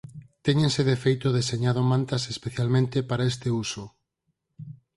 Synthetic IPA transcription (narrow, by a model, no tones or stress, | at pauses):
t̪eɲẽnseðefejt̪oðeseɲaðomãnt̪asespeθjalmẽnt̪epaɾaest̪euso